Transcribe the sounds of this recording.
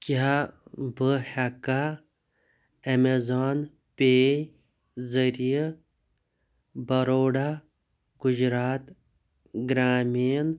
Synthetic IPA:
kjabɨhɐka | ɐmezaːn | pe | zɐɾije | bɐɾoːɽa | ɡud͡ʒɾaːt̪ | ɡɾaːmin

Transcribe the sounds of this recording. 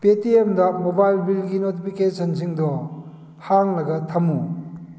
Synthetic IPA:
petiemdɐmobajlbilɡinotipʰikesʰɐnziŋdɔ | haŋlɐɡɐtʰɐmu

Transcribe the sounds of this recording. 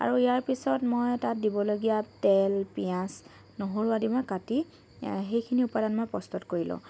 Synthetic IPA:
a̰ɹuijaɹpisɔtmojtat̚dibɔloɡijatɛlpijãs | noɦoɹuadimɔjkati | xejkʰiniupadanmojpɔstɔtkoɹilʊ̰̃

